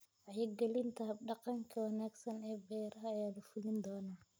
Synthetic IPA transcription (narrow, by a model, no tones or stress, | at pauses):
ʕɑjɪɡɛlɪnt̪ʰɐɖɑqɑŋkʰɐwɑnaːɡsɐnɛːbɛːɾɐɐːjaːlɐfʊlɪnd̪ɔːnaː